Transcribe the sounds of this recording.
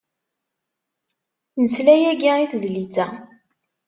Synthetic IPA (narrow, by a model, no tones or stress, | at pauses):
nəslæjæɡiiθzlit͡sːæ